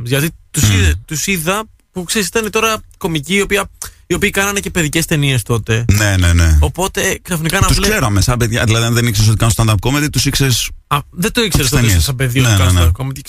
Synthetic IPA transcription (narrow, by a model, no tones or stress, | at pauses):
zʝɐt̪it̪usit̪usiðɐ | pukseɾisit̪ɐnet̪o̞ɾɐko̞miciːo̞piɐio̞piːkɐnɐne̞ce̞pe̞ðice̞st̪e̞nie̞st̪o̞t̪e̞ne̞neneo̞po̞t̪e̞ksɐfnikɐnɐt̪uslseɾɐmesɐbeðʝɐðilɐðiɐnðenikseɾs̬o̞t̪ikɐnost̪ɐnd̪ɐɾp̚komet̪it̪usikseɾsɐðed̪oikseɾesenissɐbeðioɐsnɐd̪ɐp̚komet̪i